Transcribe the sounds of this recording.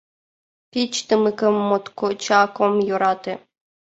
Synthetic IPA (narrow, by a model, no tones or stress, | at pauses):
pʲit͡ɕt̪əmɨkə̆mːot̪kot͡ɕɑkomjoɾɑt̪e